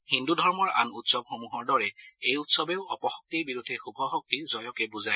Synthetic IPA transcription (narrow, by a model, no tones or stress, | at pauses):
hindudʱɔɹmɔɹa̰nutsɔbxomuɦɔɹdɔɹɛejutsɔbeʊɔpɔxɔk̚tiɹbiɹud̪ʱːɛxubʱɔxɔk̚tizɔjɔkɛbuzaj